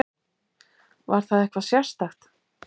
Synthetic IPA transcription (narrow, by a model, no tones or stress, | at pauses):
vaɾ̥θaðɛhkvasjḁst̪axt̪